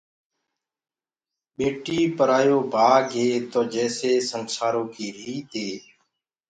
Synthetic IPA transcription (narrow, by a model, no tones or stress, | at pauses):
ɓeːʈiːpəɾaːjoːbʱaːɡɦeːt̪oːd͡ʒɛːseːsənsaːɾoːkiːɾiːt̪eː